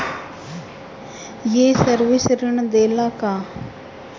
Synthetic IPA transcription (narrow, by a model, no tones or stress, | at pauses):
jeːsəɾʋɪsɾɪɳd̪eːlaːkaː